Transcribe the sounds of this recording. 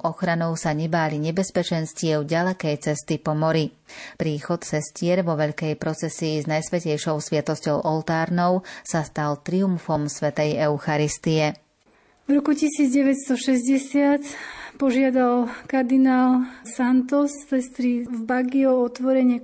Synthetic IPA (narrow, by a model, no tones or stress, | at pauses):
ʔɔxɾanɔʊsaɲɛbaːliɲɛbɛspɛt͡ʃɛnscɪɛʊɟalɛkɛjt͡sɛst̪ipɔmɔɾi | pɾiːxɔt̪sɛscɪɛɾʋɔʋɛʎkɛjpɾɔt͡sɛsiːznajsʋɛcɛjʃɔʊsʋɪɛt̪ɔscɔʊʔɔlt̪aːɾnɔʊsast̪alt̪ɾiumfɔmsʋɛt̪ɛjɛʊxaɾist̪iɛ | vɾɔkucisiːd͡zɟɛʋɛt̪st̪ɔʃɛzɟɛsɪat̪pɔʒɪad̪alkaɾd̪inaːlsant̪ɔssɛst̪ɾivbaɡiɔɔt̪ʋɔɾɛɲɪɛ